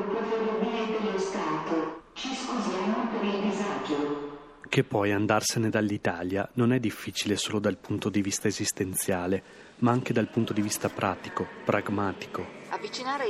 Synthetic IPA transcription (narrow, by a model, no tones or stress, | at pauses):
pofeɾlobiled̪elːost̪aːt̪ot͡ʃiskuzjaːmopeɾildizaːd͡ʒo | kepːɔjand̪arsened̪alːit̪aːljanonɛd̪ːifːiːt͡ʃilesoːlod̪alpunt̪od̪ivist̪aezist̪ent̪sjaːle | maaŋked̪alpunt̪od̪ivist̪apɾʔaːt̪ikopɾaɡmaːt̪i̥koavːit͡ʃinaːɾe